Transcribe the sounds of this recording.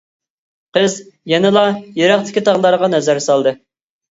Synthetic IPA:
qəzjɛnɨlˠɑjeɾæχt̪ʰɪ̥kʲit̪ʰɑʁlˠɑɾʁɑnɛzæɾsɑlˠd̪ɨ

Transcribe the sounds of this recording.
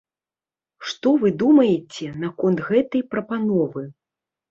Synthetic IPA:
ʂt̪ɔvɨd̪umɐjet͡sʲɛnakɔnt̪ɣɛt̪ɐjpɾɐpanɔvɨ

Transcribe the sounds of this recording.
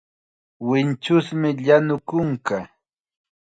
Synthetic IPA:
wɪnt͡ʃʊsmɪʎanʊkʊŋka

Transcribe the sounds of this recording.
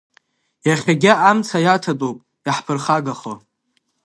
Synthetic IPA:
jaχʲaɡʲɪʔamt͡sʰajatʰatʼopʼ | jaħpʰɨrχaɡaχo

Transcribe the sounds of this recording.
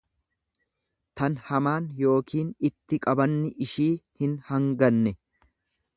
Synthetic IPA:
t̪ɐnhɐmaːnjo̞ːkiːnɪt̪ːɪkʼɐbɐnːɪʔɪʃiːhɪnhɐŋɡɐnːɛ

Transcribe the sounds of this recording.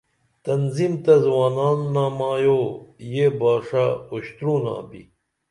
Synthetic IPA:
t̪ɐnzimt̪ɐzwaːnaːnːaːmaːjojebaːʂaoɕt̪ɾũːna̰ːbḭ

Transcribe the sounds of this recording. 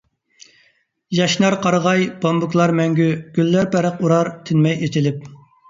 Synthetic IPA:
jɑʃnɑɾqʰɑɾʁɑjbɑmbukʲlˠɑɾmɛŋɡʲyɡ̥ʲylːæɾpʰæɾəquɾɑɾt̪ʰɪnmɛjet̪ʰɪlɪp̚

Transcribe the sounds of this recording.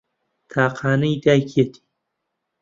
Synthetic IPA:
t̪ʰaːqʰaːnɐjd̪aːjkʰiet̪ʰi̥

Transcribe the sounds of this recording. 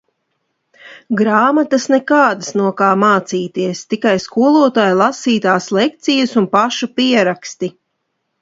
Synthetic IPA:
ɡɾaːmat̪ɐsnɛkaːd̪ɨsnuɔkaːmaːt̪siːt̪iɛst̪ikajskuɔlˠuɔt̪aːjlˠasiːt̪aːslˠɛkt̪sijɐsunpaʃupiɛɾakst̪i

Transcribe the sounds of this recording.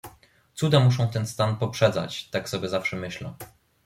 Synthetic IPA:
t̪sud̪amuʂ̬ɔ̃w̃t̪ɛnst̪anpɔpʂɛd̪za̰t͡ɕt̪aksɔbʲjɛzafʂɛmɘɕlɛ̰

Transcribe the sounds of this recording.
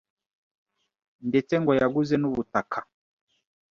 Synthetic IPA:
ndɛt͡sɛŋɡɔjaɡuzɛnuβutakʰḁ

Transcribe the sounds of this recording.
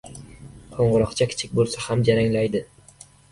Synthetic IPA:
qʰoɴʁɨɾɒqt͡ʃʰakʲʰɪ̥t͡ʃʰɪk̚ʲbolˠsahamd͡ʒaɾaŋlajd̪ɪ

